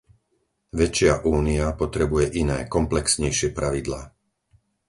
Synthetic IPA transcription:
ʋɛt͡ʃɪaʔuːniapɔt̪ɾɛbujɛʔinɛ̰ːkɔmplɛksɲɛjʃɪɛpɾaʋid̪laː

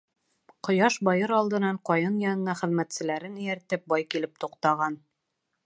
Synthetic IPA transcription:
qŏjɑʃbɒjɤɾɑlˠd̪ɤ̆nɑɴqɒjɤnjɑnɤ̆nɑχɘ̆ðmæt̪sɘ̆læɾɘnɵ̆jæɾt̪ɘp̚bɒjkilɘp̚t̪uqt̪ɑʁɑn

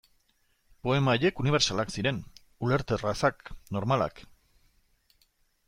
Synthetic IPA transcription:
po̞e̞maeje̞kuniβe̞ɾsalaksiɾe̞n | ule̞ɾt̪erasakno̞ɾmala̰k

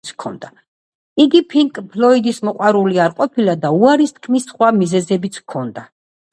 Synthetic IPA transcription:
sʰkʰɔ̰nd̪a | iɡipʰiŋkʼpʰlɔid̪ismɔqʼwaɾuliaɾqʼɔpʰilad̪auaɾist̪ʰkʰmisχwamizɛzɛbit̪sʰkʰɔnd̪a

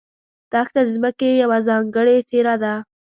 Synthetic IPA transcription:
d̪̥ɑxt̪ad̪zməkejawazɑŋɡəɽet͡seɾad̪a

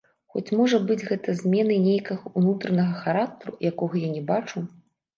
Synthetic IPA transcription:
xɔ̰t͡sʲmɔʐɐbɨd͡zʲɣɛt̪ɐzʲmʲɛnɨnʲejkɐɣɐunut̪ɾɐnɐɣɐxaɾak̚t̪ɐɾṵjakɔɣɐjanʲɛbat͡ʂu

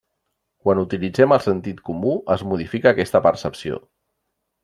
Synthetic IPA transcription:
kwanut̪ilid͡zɛməlˠsənt̪it̪kumuəzmuð̞ifikəːkɛst̪əpəɾsəpsio̰

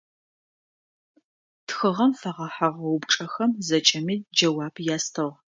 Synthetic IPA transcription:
txɨʁɐmfɐʁɐħaʁɐwʊbʈ͡ʂʼɐxɐmzɐt͡ʃʼɐmiːd͡ʒɐwaːbjaːstʰɨʁ

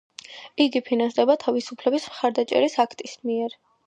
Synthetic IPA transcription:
iɡipʰinansd̪ɛbat̪ʰavisupʰlɛbismχaɾd̪at͡ʃʼɛ̰ɾisakʰt̪ʼismiɛɾ

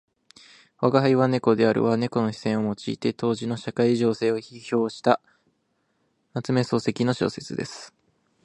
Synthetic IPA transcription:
βaɡaɦaiβane̞ko̞d̪e̞aɾɯ̟̰βane̞ko̞no̞çi̥sẽ̞ɰ̃o̞mo̞t͡ɕḭːt̪e̞t̪o̞ːʑino̞ɕakaiʑo̞ːse̞ːo̞çiço̞ːɕi̥t̪a | nat͡sɨme̞so̞ːse̞kʲino̞ɕo̞̰ːse̞t͡sɨd̪e̞sɨ̥

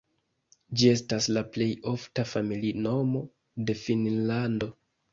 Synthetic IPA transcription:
d͡ʒie̞staslaple̞jo̞ftafamilino̞mo̞ | de̞finlando̞

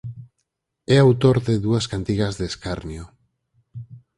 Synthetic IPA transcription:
ɛawt̪oɾðeðuaskant̪iɣazðeskaɾnjo

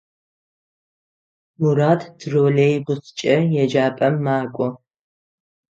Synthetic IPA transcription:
muɾaːtʰdroːleːjbʊst͡ʃʼɐjɛd͡ʒaːpʼɐmːaːkʷʼɔ

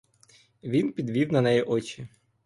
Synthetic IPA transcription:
ʋʲinpʲid̪ʋʲiwnɐnɛjɛʔɔt͡ʃi

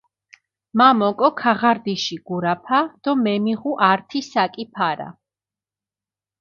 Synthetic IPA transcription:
mamɔkʼɔkʰaʁaɾd̪iʃiɡ̥uɾapʰad̪̥ɔmɛmiʁuʔaɾt̪ʰisakʼipʰaɾa̰

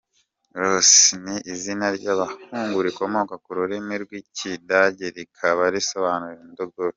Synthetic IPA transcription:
ɾosniʔːzinaɾɟaβahuːŋɡuɾiko̞mo̞kakuɾuɾimiɾɡwicidaɟeɾikʰaβaɾiso̞βanuɾiɾendoɡoɾo

